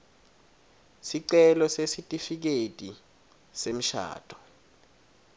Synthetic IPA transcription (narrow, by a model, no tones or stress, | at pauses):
siǀɛlɔsesitʼifik̬etʼi | sem̩ʃa̰ːtʼɔ̥